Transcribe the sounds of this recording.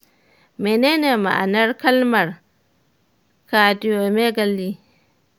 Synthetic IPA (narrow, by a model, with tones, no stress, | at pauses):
me˨neː˦ne˨ma̰˨ʔa˨nɐ˦rkɐ˦lmɐ˨r | kaː˨dɪ˦jo˨me˦ɡa˨lːi˦